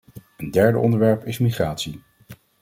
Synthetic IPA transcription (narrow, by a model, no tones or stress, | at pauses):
əndɛɹdə̰ʔɔndəɹʋɛɹpɪsmiχraːtsi